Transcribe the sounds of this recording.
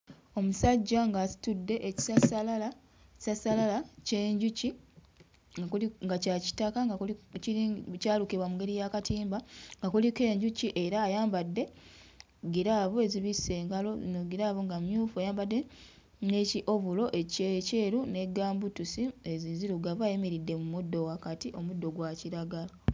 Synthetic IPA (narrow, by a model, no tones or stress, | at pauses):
o̞musaɟːaŋɡasi̥tudːe̞ʔeci̥sasallḁ | sasalalaceːɲɟuci | iŋɡacaci̥takaɡaklciicaːlukiβwamuŋɡe̞ɾijakatiːmbaŋɡakulike̞ːɲɟuciʔe̞ɾaːjaːmbadːe̞ | ɡiɾaβue̞ziβise̞ːŋɡalonoɡiɾavuŋɡamjuːfuajaːmbadːe | ne̞ciʔo̞βulo̞ʔecece̞ːɾune̞ɡaːmbutusieziziɾuɡavaːjemeɾidːe̞mumudːo̞wakatiʔo̞mudːo̞ɡwaciɾaɡala